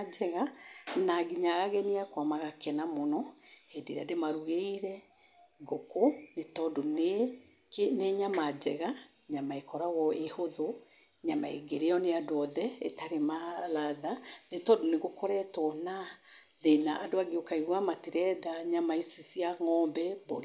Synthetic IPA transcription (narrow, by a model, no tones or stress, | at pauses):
d͡ʒɛɣanaɡiɲaɣaɣɛniakwamaɣakɛnamonɔediɾa̰demaɾuɣeiɾɛ | ɡokonetɔdone | keneɲamad͡ʑɛɣa | ɲamaekɔɾaɣɔehoðo | ɲamaḛɡeɾeɔneadoɔðɛetaɾemalaðanetɔdoneɣokɔɾɛtwɔna | ðenaʔadoaɡeokaiɣwamatiɾɛdaɲamaisisiaŋɔmbɛboɾi